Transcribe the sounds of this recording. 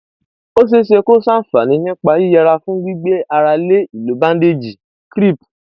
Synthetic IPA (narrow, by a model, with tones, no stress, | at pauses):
o˦s̬e˦ʃe˧ko˦sa˦˨fa˨nĩ˨˦nĩ˦k͡pa˧ji˦ja˧ɾa˧fũ˦ɡ͡bi˦ɡ͡be˦ʔa˧ɾa˧le˦i˨lo˨˦bã˦n̩˦de˦d͡ʒi˨ | kɾi˦˨p̚